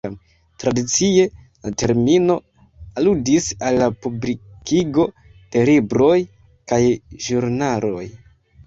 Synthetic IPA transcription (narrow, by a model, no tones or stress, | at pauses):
am | tɾadit͡sie̞ | la̰te̞ɾmino̞ | aludisalːapublikiɡo̞ | d̥e̞libɾo̞j | kajʒuɾnalo̞j